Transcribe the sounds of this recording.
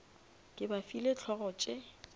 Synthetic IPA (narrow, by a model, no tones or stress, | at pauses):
kʼɪbafilet͡ɬʰɔɣɔt͡ʃʼɪ